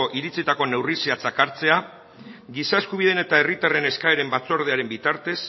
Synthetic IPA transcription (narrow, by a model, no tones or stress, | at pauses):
oʔiɾit͡sit̪ako̞ne̞wriseat͡sakaɾt͡se̞a | ɡisae̞skuβ̞iðe̞ne̞t̪ae̞rit̪are̞ne̞skaeɾe̞mbat͡so̞ɾð̞eaɾe̞mbit̪aɾt̪e̞s